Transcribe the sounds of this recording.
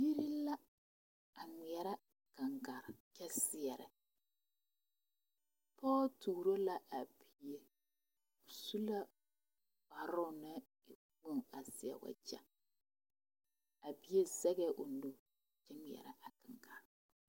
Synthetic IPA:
ji˦ɾi˦la˦ | a˨ŋi˨ɛ˨ɾa˦ | ka˨ŋɡa˨ɾkɛ˦sɪ˨ɛ˨ɾɛ˨ | pɔː˦tuː˨ɾo˦la˦ʔa˨bi˨je˦ | ʊ˨su˦la˦ | ba˨ɾʊ˦˨nɛ˦ | ɪ˨ | ɡ͡bo˦ŋa˨sɪ˨ɛ̰˨wa̰˨d͡ʒa̰˦ | a˨bi˨je˦sɛ˦ɡɛ˦˨ʔo˨no˦ | t͡ʃɛ˦ŋi˨ɛ̰˨ɾa˦ʔa˨ka˨ŋɡa˨ɾ

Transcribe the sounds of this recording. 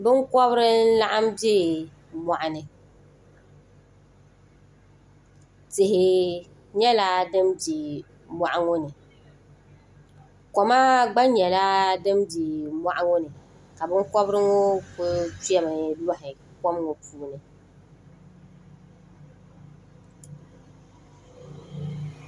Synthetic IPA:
bɨ˦ŋ˦kɔ˦βɾɪ˦n̩˦la˦ʔa˦mdɪ˦ | ma˨ʔa˨nɨ˨ | tɪ˨ɦɪ˨ | ɲɛ˦la˦dɨ˦mdi˨ | mʷa˨ʔa˦ŋʊ˦nɨ˨ | kɔ˨ma˦ɡ͡ba˦ɲɛ˨la˦dɨ˦mdi˨mwa˦ʔa˦ŋʊ˦nɨ˨ | ka˨bɨ˦ŋkɔ˦bɾɨ˦ŋo˦fʊ˦ti˦ɛ˦ma˨˦la˦ɦɪ˨ | kɔ˦m˦ŋo˨puː˨nɨ˨

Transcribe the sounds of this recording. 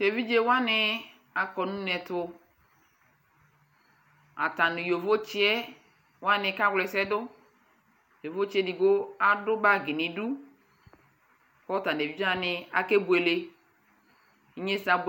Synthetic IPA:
de˨vi˦d͡ʒe˦wa˦nɪ˨ | a˨kɔ˨nũ˦nɛ˨tʊ˧ | a˨ta˨nʊ˨jo˨vo˦t͡ʃi˦ɛ˦ | wa˦nɪ˧ka˦wlɛ˨sɛ˦dʊ˦ | jo˨vo˦t͡ʃɛ˦di˨ɡo˦a˦dʊ˦ba˦˨ɡɪ˨ni˨du˦˨ | kɔ˦ta˨de˨vi˦d͡ʒa˦nɪ˨a̰˨ke˦bu˨e˨le˦ | i˦ɲe˦sa˨b

